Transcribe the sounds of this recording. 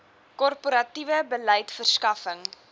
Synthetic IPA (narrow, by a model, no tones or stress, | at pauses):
kɔrpoɾɐtivəbələjtfərskɐfəŋ